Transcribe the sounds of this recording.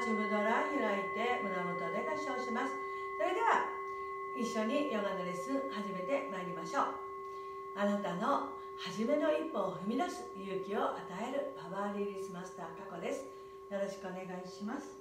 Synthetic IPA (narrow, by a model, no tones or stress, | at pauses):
t͡ɕiɡɯnoɾahɯɾait̪e̞mɯ̟namot̪od̪ekaɕoːɕimasɨ̥ | so̞ɾe̞d̪e̞βa | iɕːo̞ɲ̟ijoɡanɯɾesɨhaʑime̞t̪e̞maeɾʲimaɕo̞ː | anat̪ano̞ | haʑime̞no̞ipːo̞ːɸɯ̟mʲinasɨ̥jɯ̟ːkʲio̞ʔat̪ae̞ɾɯ̟paβaːɾʲiɾʲisɨmasɨ̥t̪aːkako̞d̪e̞sɨ̥ | jo̞ɾo̞ɕi̥kɯo̞ne̞ɡaiɕimasɨ̥